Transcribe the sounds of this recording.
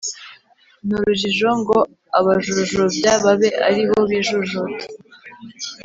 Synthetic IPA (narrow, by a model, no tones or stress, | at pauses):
nuɾuʒiʒo̞ŋɡo̞ | aβaʒuʒobɟaβaβe̞ʔa̰ɾiβoβiʒuʒotḁ